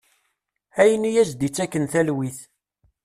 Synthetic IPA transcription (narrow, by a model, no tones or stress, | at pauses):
æjənijæzd̪it͡sːækːənθælwiθ